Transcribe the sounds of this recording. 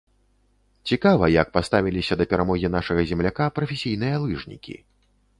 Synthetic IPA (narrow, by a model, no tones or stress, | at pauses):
t͡sʲikavɐjɐk̚past̪avʲilʲisʲɐd̪ɐpʲɛɾamɔɣʲinaʂɐɣɐzʲɛmlʲakapɾɐfʲesʲijnɨjɐlˠɨʐnʲḭkʲḭ